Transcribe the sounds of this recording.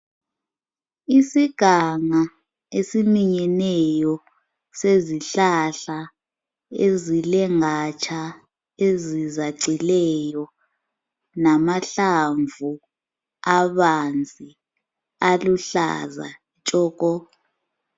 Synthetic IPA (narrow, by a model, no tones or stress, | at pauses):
isiɡ̥ʱaŋa | esimiɲɛnɛjɔ | seziɬaɬa | ezilɛŋat͡ʃʰa | ezizaǀilɛjɔ | namaɬaɱvu | aβand͡zʱi | aluɬa̰za̰ | t͡ʃʼɔːk̬ʼɔ